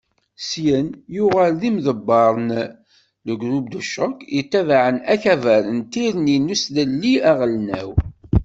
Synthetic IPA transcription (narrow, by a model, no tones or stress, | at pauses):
sjənjʊʁælðimðəbːɑɾˤən | ləɡɾub̚d̪əʃːəkit̪ːævaʕənæçævæɾənt̪iɾninusðəlːiæʁəlnæ̰w